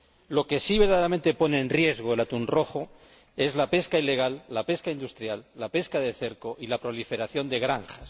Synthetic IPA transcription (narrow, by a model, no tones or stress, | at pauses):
lo̞ke̞siβeɾðaðeɾamẽ̞nt̪e̞pone̞ːnrje̞zɣ̞oelat̪unro̞xo̞ | e̞zlape̞skaile̞ɣ̞alːape̞skaind̪ust̪ɾjalːape̞skaðe̞θe̞ɾko̞ʔilapɾo̞life̞ɾaθjo̞nd̪e̞ɣɾaŋxas